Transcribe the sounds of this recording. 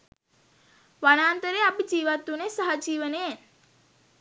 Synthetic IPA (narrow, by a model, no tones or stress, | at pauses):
ʋaɽ̃aːnt̪əɾeapid͡ʒiːʋat̪unesəɦəd͡ʒiːʋənen